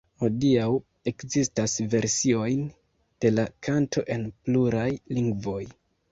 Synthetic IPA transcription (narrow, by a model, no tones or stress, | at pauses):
ho̞diaw | e̞kzistasve̞ɾsio̞jn | d̥e̞lakʰantʰo̞̰ʔe̞npluɾajliŋɡvo̞j